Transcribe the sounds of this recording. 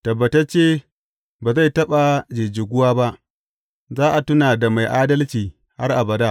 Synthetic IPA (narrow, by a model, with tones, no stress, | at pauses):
tɐ˨bːɐ˨tɐ˦t͡ʃeː˦ | baː˨za˦˨jtɐ˦ɓa˨d͡ʒe˨d͡ʒɪ˨ɡʷʊ˦waː˦ba˦ʔ | zaː˦ʔa˨tʊ˦naː˨da˨ma˨jʔaː˦dɐ˦lt͡ʃiː˨ | ha˦rʔa˨bɐ˨daː˦ʔ